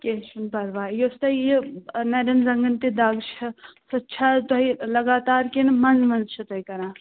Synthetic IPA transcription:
ket͡ʃʰunpɐɾʋaːjost̪ɐjinɐɾɐnzɐŋɡənt̪id̪aːɡt͡ʃʰɐsɐtːʃʰat̪oɦilɐɡaːt̪aːɾkenmɐnzmɐnzt͡ʃʰɐt̪oɦikɐɾãː

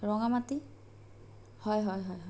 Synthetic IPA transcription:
ɹɔŋamati | hɔjɦɔjɦɔjɦɔ

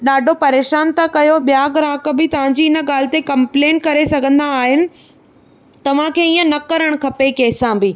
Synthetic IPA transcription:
ɗaːɖʱopɐɾeːʃaːnt̪akɐjoɓijaɡɾaːkə̆bɪt̪ɐʋ̤ãɲd͡ʑiːɪnə̆ɠaːl̤ɪ̆t̪ekɐ̃mplẽːɳʈ̚kɐɾesɐɡʱə̃nd̪aːɦɪnɪ̆ | t̪ɐʋ̤ãkʰeːiːə̃nɐkɐɾəɽ̃kʰɐpekeːsãbɪː

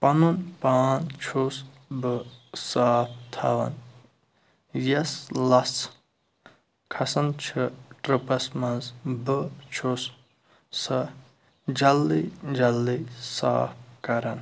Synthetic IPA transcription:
pɐnunpaːnt͡ʃʰus | bɨsaːp̚ʰt̪ʰa̰ʋɐ̰n | jɐslɐt͡s | kʰɐsɐnt͡ʃʰɨʈɾɨpɐsmɐnzbɨt͡ʃʰus | sɐ | d͡ʒɐlːid͡ʒɐlːisa̰ːp̚ʰkɐɾɐn

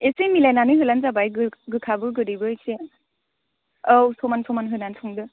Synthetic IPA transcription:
esemilajnanɯɦɯlanzabajɡɯɡɯkʰabɯɡɯɾibɯese | awsɔmansʰɔmanɦɯnansʰɔŋdɯ

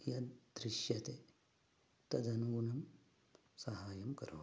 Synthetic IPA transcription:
jad̪ɾiʃjat̪e | t̪ɐd͡zɐnuɡunɐm | sɐɦaːjɐmkɐɾɐʋ

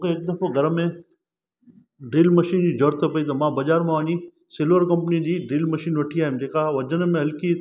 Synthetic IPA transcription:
keeːk̚d̪ɐpʰoɡɐɾəmːẽ | ɖiːlmɐʃiːnd͡ʑid͡ʒoːɾt̪ɐpɐit̪̬omãbɐd͡ʒaːɾmãʋãːni | sɪlʋəɾkɐmpnid͡ʑiɖiːlmɐʃiːnʋɐʈʰijaːemd͡ʒeːkaʋɐd͡ʒənemẽɦɐlki

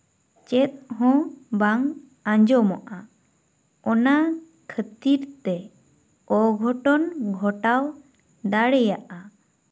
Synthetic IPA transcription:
t͡ʃɛt̪̚ˀɦɔ̃baŋ | ãɲd͡ʒɔmɔʔa | ɔna | kʰət̪iɾt̪ɛ | ɔɡʱɔʈɔnɡʱɔʈaw | d̪aɽɛjaʔa

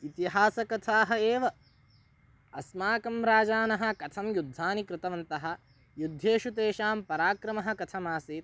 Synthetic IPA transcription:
it̪iɦaːsɐkɐt̪ʰaːɦɐeːʋɐ | ɐsmaːkɐmɾaːd͡ʒaːnɐɦɐ̆kɐt̪ʰɐmjud̪ʱːaːnikɾɪt̪ɐʋɐnt̪ɐɦɐ̆ | jud̪ʱːeːʃut̪̬eːʃaːmpɐɾaːkɾɐmɐɦɐ̆kɐt̪ʰɐmaːseːt̪̚

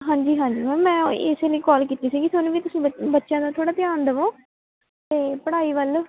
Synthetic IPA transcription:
ɦãːɲd͡ʒiːɦãːɲd͡ʒiːmɛ̃ːmɛ̃ːɪ̰seləiːkɔːlkiːt̪iːsiːɡiːsʊnʋiːt̪ʊsĩːbəːbətːʃjãːd̪aːt̪ʰoːɽaːt̪ɪjaːnd̪əʋõː | t̪eːpəɽaːiːʋəl

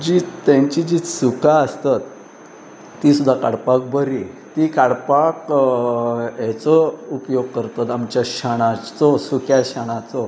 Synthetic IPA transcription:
d͡ʑiːt̪jaɲt͡ɕid͡ʑiːt͡ssukaəst̪at̪ː | isud̪ʱːakaɽpak̚bəɾit̪ikaɽpak | ɦɛt͡sɔupjoɡ̚kəɾt̪at̪amt͡ɕjakɕaɽ̃at͡sɔsukjaɕaɽ̃at͡sɔ

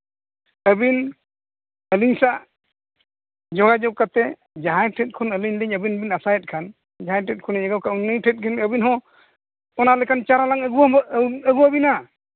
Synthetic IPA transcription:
əbin | əliɲsaʔ | d͡ʒɔɡad͡ʒɔkat̪ɛ | d͡ʒaɦajʈʰɛt̚kʰɔnəliɲliɲəbinbinasajɛt̚kʰan | d͡ʒaɦajʈɛt̚kʰɔnɛɲəɡɔkauniʈʰɛt̚kʰɛnəbinɦɔ̃ | ɔnalɛkʰant͡ʃaɾalaŋəɡuwaəɡuwabina

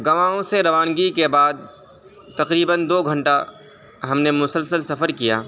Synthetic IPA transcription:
ɡɐʋãːõseɾɐʋaːnɡikebaːd̪̚ | t̪ɐqɾiːbənd̪oːɡʱə̃ɳʈa | ɦɐmnemʊsəlsəlsɐfəɾkija̰ː

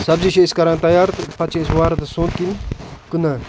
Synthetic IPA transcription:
sɐbziʃeskɐɾãːnt̪ɐjaːɾt̪pɐt͡ʃʰeswaːɾɐt̪ɐsõːt̪kinkunaː

